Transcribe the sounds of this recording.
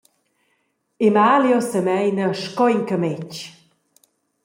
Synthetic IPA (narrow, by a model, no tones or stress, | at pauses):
emaljɔsəmɛjnəʃkɔjŋkəmɛc